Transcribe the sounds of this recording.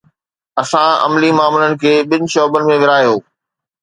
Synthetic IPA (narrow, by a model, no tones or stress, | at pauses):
ɐsãɐ̰mlimaːmlənɪ̆kʰeːɓɪnɪ̆ʃɔːbənɪ̆mẽʋɪɾaːjoː